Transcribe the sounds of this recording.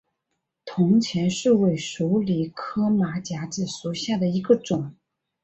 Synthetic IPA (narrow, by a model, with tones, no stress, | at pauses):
t̪ʰʊ˧˥ŋt͡ɕʰjɛ˧˥nʂɻ̩˥˧we˥˩ɪʂu˧˥li˨˥kʰɤ˥ma˧˥t͡ɕja˧˥ʈ͡ʂɻ̩˨˩su˨˥˩ɕja˥˩d̪ə˩i˧˥ɡə˧ʈ͡ʂʊ˨˩˦ŋ